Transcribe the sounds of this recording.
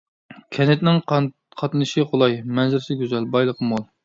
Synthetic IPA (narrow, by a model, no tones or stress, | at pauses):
kʲʰɛnɪt̪nɪŋ | qʰɑt̪nɨʃɨχolˠɑjmɛnzɪɾɪsɪɡʲøzɛlbɑjlˠəqʰəmolˠ